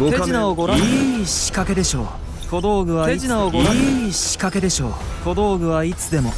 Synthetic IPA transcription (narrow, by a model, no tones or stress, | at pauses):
seʑinaoɡo̞ɾãiɕi̥kake̞d̪e̞ɕo̞̰ː | ko̞d̪o̞ːɡɯ̟βaiʑinaoɡoɾaiɕi̥kake̞d̪e̞ɕo̞̰ː | ko̞d̪o̞ːɡɯ̟βait͡sɨd̪e̞mo̞